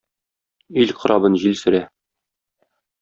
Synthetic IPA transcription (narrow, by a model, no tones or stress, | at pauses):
ilqɤ̆ɾʔɑbɤnʑilsɵ̆ɾæ